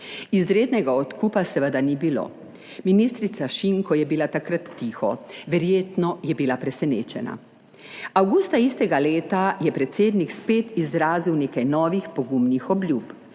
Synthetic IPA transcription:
izɾeːd̪nɛɡaɔt̪kʰupasɛʋəd̪anibilo̰ | minist̪ɾit̪saʃiŋkɔjɛbilat̪akɾat̪ːiːxɔʋɛɾjeːt̪nɔjɛbilapɾɛsɛnḛːt͡ʃɛna̰ | awɡust̪aist̪ɛɡaleːt̪ajɛpɾɛt̪seːd̪nikspeːt̪izɾaːziwneːkajnɔːʋixpɔɡumnixɔblʲjuːp

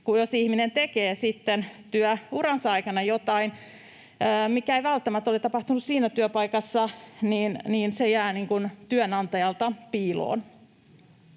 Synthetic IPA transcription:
kujosihminent̪ekeːsit̪ːent̪yœurɑnsɑikɑnɑjot̪ɑinː | mikæeiʋælt̪ːæmæt̪ːolit̪ɑpɑht̪unussiːnæt̪yøœpɑikɑsːɑniːnniːnsejæːniŋkunt̪yønɑnt̪ɑjɑlt̪ɑpiːlo̰ːn

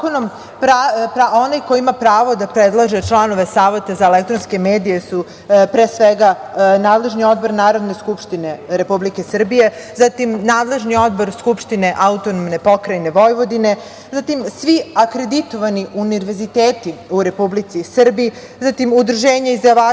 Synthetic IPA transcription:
konom | pɾapɾaonajkojiimapɾaːʋod̪apɾed̪lˠaʒet͡ʃlˠano̞ʋe̞saːʋet̪azaelek̚t̪ɾonske̞meːd̪ije̞su | pɾeːsʋeɡanaːd̪le̞ʒnio̞d̪̚bo̞ɾnaːɾo̞d̪ne̞skupʃt̪ine̞ɾe̞publikesr̩bije̞ | zat̪imnaːd̪le̞ʒnio̞d̪boɾskupʃt̪ine̞ʔaut̪onomne̞po̞kɾajne̞ʋo̞jʋo̞d̪ine̞ | zat̪imsʋiakɾed̪it̪o̞ʋaniʔuniɾʋezit̪eːt̪iuɾe̞publit̪sisr̩bii | zat̪imud̪ɾ̩ʒeːɲeizaʋa

